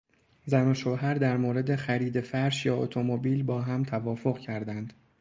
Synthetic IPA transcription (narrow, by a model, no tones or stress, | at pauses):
zænoʃoːɦæɾd̪æɾmoːɾe̞d̪e̞xæɾiːd̪e̞fæɾʃjɒːot̪ʰo̞mobiːlbɒːɦæmt̪ʰævɒːfo̞ɣcʰæɾd̪ænd̪̥